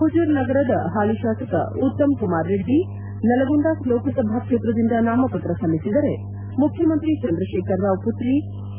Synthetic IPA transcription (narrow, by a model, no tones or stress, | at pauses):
ɦud͡ʒuːɾnɐɡɐɾɐd̪ɐ̰ɦaːliʃaːsɐkɐ̰ut̪ːɐmkumaːɾːeɖʱːi | nɐlɐɡund̪aːsloːkɐsɐbʱaːkʂet̪ɾɐd̪ind̪ɐnaːmɐpɐt̪ɾɐsɐmːisid̪ɐɾe | mukʰjɐmɐnt̪ɾit͡ʃɐnd̪ɾɐʃeːkɐɾːauput̪ɾi